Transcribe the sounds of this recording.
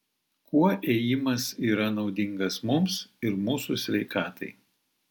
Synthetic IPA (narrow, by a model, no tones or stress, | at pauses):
kuɔʔeːjɪmɐsiːɾɐnɒʊd̪ʲɪŋɡɐsmʊmsɪɾmuːsusʲʋʲɛɪkɑːt̪ɐɪ